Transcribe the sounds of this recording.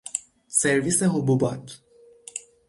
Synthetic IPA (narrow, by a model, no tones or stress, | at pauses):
seɾviseɦububɒt̪ʰ